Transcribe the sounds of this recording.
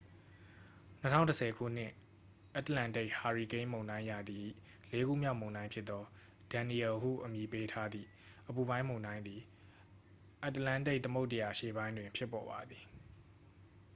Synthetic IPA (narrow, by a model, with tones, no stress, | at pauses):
n̥ətʰã̰˦˨ʊ̃ntəsʰɛ˨ɡʰṵ˦˨n̥ɪ̰̃˦ʔ | ʔa˦t̪əlã˦˨nte˦ɪʔha˨ɹi˨kẽ˦mõ˨ʊ̃ndã˦ɪ̃ja˨d̪i˨ | le˦ɡṵ˦˨mja̰˦ʊmõ˨ʊ̃ndã˦ɪ̃pʰjɪ˦t̪t̪ːɔ˦ | d̥ã˨ni˨ɛ˨ɦṵ˦˨ʔəmji˨pe˦tʰa˦d̪ðḭ˦˨ | ʔəpu˨bã˦ɪ̃mõ˨ʊ̃ndã˦ɪ̃nd̪i˨ | ʔa˦t̪əlã˦˨nte˦ɪʔt̪əmo˦ʊʔtːə˨ja˨ʔʃḛ˦˨bã˦ɪ̃ndwɪ̃˨mpʰjɪ˦pːɔ˨ba˨d̪ði˨